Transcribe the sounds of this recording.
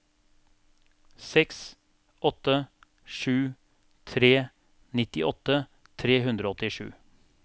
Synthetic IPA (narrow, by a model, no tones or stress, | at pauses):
sɛks | ʔɔt̪ːə | ʂʉː | t̪ʰɾeː | nɪt̪ɪʔɔt̪ə | t̪ʰɾeːɦʉnd̪ɾoːɔt̪ɪʂʉ̰ː